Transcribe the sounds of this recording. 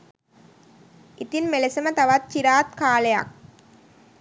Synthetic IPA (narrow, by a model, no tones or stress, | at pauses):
it̪inmelesɐmət̪ɐʋat̪̚t͡ʃiɾaːt̪̚kaːleja̰k̚